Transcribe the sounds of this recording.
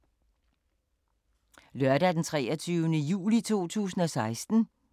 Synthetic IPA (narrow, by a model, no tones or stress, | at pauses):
lœɐdæd̥ent͡sʰʁɛːɒt͡sʰyʊənəjṵːlit͡sʰo̝̰ːt͡sʰṵːsn̩ɒ̽sɑ̈ɪsd̥n̩